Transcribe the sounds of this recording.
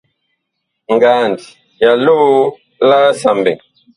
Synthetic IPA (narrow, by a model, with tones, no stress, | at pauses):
ŋɡaː˨ndi˨ | ja˨lu˦βu˦ | la˦sa˨mbɛ̰˨